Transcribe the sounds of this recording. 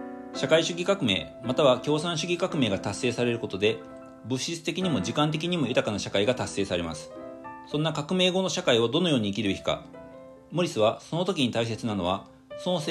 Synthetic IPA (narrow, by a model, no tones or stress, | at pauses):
ɕakaiɕɨɡʲikakɯ̟me̞̰ː | mat̪aβakʲo̞ːsãɰ̃ɕɨɡʲikakɯ̟me̞ːɡat̪asːe̞ːsaɾe̞ɾɯ̟ko̞t̪o̞d̪e̞ | bɯ̟ɕit͡sɨ̥t̪e̞kʲiɲ̟imo̞ʑikãnt̪̬e̞k̬ʲiɲ̟imo̞jɯ̟t̪akanaɕakaiɡat̪ase̞ːsaɾe̞ma̰sɨ̥sõ̞nːakakɯ̟me̞ːɡo̞no̞ɕakaio̞d̪o̞no̞jo̞ːɲ̟iːkʲiɾɯ̟çi̥ka̰ | moɾʲisɨβaso̞no̞t̪o̞kʲiɲ̟it̪ais̬e̞t͡sɨnano̞β̞a | so̞no̞se